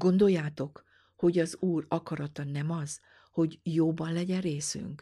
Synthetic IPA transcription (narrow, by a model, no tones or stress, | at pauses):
ɡ̥o̞nd̪o̞jːaːt̪o̞k | ho̞ɟɒzuːrɒkɒɾɒt̪ɒnɛmɒz̥ | ho̞ɟjoːbɒnlɛɟɛreːsy̰ŋk